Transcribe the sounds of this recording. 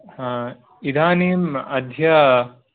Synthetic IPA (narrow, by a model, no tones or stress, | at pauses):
id̪aːniːmɐd̪ʱjɐ